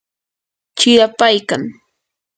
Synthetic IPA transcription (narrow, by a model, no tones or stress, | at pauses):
t͡ʃɪjapajkaŋ